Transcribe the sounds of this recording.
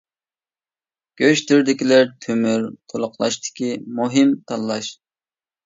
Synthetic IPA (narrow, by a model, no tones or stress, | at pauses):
ɡ̥ʲøʃt̪yɾd̪ɪkʲilɪɾt̪ʰømyɾt̪ʰolˠʊqlˠɑ̰ʃt̪ɪ̥kʲimuɦɨmt̪ʰɑlˠːɑʃ